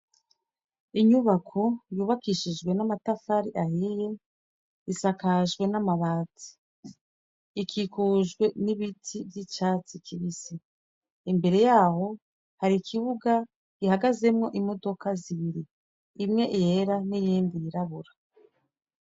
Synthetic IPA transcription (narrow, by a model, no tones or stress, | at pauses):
iɲuβakʰo̞juːβakiʃid͡ʒɡwe̞namatafaɾiʔahije̞ | isakaʒɡwe̞namaβaːt͡si̥ | kʰikuʒɡwe̞niβitʰivjit͡ʃaːt͡sikʰiβisi | imbe̞ɾe̞jaːho̞ | haɾikʰiβuɡa | ɡ̥ihaɡaze̞mŋo̞ʔimodo̞kaziβiɾiː | mŋe̞ʔije̞ɾanijiːndiiɾaβuɾa